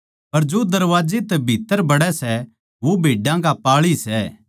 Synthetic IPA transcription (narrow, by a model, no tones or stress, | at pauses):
pɐɾd͡ʒod̪ɐɾʋaːd͡ʒet̪ɛbʱiːt̪ːəɾbɐɽɛsɛ | ʋobʱeːɖãkapaːɭisɛ